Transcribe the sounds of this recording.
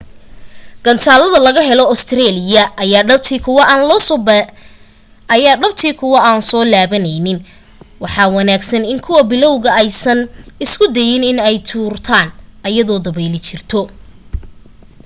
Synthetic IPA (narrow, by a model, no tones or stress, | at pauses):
ɡ̥ɐnt̪ʰaːlɐðɐlɐɣɐɦɛlɔɔst̪ʰɾɛːlɪjɐjaːɖɐb̚t̪ʰiːkʰʊwɐʔaːnlɔs | ɐjaːɖɐbt̪ʰiːkʰʊwɐʔaːnsɔːlaːβɐnɛjnɪn | wɑħɑːwɑnaːɡsɐnɪŋkʰʊwɐbɪlɔwɣɐɛjsɐnɪskʰʊd̪ɛjɪnɪnɛjt̪ʰuːrt̪ʰaːnʔɐjɐðɔːd̪ɐβɛjlɪt͡ʃɪrt̪ʰɔ